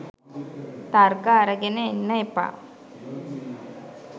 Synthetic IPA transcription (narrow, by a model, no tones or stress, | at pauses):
t̪aɾɡaːɾɐɡenenːɐepa̰